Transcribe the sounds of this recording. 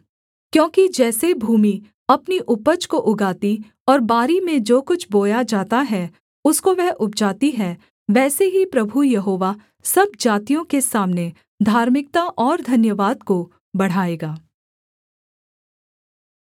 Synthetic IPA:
kjõːkid͡ʒɛːsebʱuːmi | ɐpniʔʊpət͡ʃkoʔʊɡaːt̪i | ɔːɾbaːɾimẽd͡ʒoːkʊt͡ʃʰboːjad͡ʒaːt̪aɦɛ | ʊskoʋɛɦʔʊp̚d͡ʒaːt̪iɦɛ | ʋɛːseɦipɾɐbʱujɐɦoːʋa | sɐb̚d͡ʒaːt̪ijõkesaːmne | d̪ʱaːɾmɪk̚t̪aʔɔːɾd̪ʱɐnjəʋaːd̪̚ko | bɐɽ̤aːeːɡaː

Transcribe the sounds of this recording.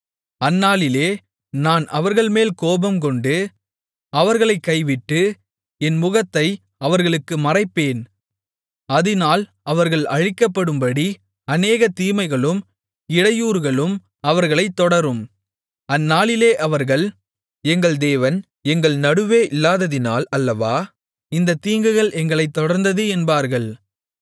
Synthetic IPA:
ɐnːaːɭɪleː | naːnʔɐʋɐɾɣɐɭmeːlkoːbɐmkɔɳɖɯ | ɐʋɐɾɣɐɭɐɪkːɐɪʋɪʈːɯ | ɛnmʊɣɐt̪ːɐɪ | ɐʋɐɾɣɐɭɯkːɯmɐrɐɪpːeːn | ɐðɪnaːl | ɐʋɐɾɣɐɭɐɻɪkːɐpːɐɽɯmbɐɽi | ɐneːɣɐt̪iːmɐɪɣɐɭɯm | ɪɽɐjuːɾɣɐɭɯm | ɐʋɐɾɣɐɭɐɪt̪ːɔɽɐɾɯm | ɐnːaːɭɪleːʔɐʋɐɾɣɐɭ | ɛŋɡɐɭd̪eːʋɐn | ɛŋɡɐɭnɐɽɯʋeːʔɪlːaːðɐðɪnaːlɐlːɐʋaː | ɪnd̪ɐt̪ːiːŋɡɯɣɐɭʔɛŋɡɐɭɐɪt̪ːɔɽɐɾnd̪ɐðɯɛnbaːɾɣɐɭ

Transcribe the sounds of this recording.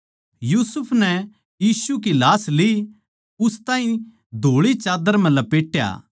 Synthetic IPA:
juːsʊpʰnɛ | jiːsukilaːsli | ʊst̪aːĩ | d̪ʱoːɭit͡ʃaːd̪əɾm̤ɛ̃lɐpeːʈja̰ː

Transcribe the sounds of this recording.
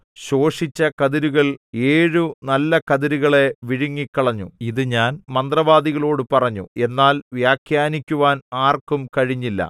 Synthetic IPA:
ɕo̞ːʂit͡ɕːɐkɐðiɾuɣɐɭeːɻunɐlːɐkɐðiɾuɣɐɭe̞ʋiɻiŋːikːɐɭɐɲːuiðɨɲaːnmɐnd̪rɐʋaːðiɣɐɭo̞ːɽɨpɐrɐɲːue̞nːaːlʋjaːkʰjaːnikʲːuʋaːnaːrkumkɐɻiɲːilːɐ̰

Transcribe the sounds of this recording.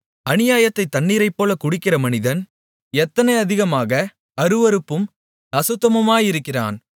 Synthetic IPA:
ɐnɪjaːjɐt̪ːɐɪt̪ːɐnːiːɾɐɪpːoːlɐkʊɽɪkːɪrɐmɐnɪðɐn | ɛt̪ːɐnɐɪɐðɪɣɐmaːɣɐ | ɐɾɯʋɐɾɯpːɯm | ɐsɯt̪ːɐmɐmaːjɪɾɯkːɪra̰ːn

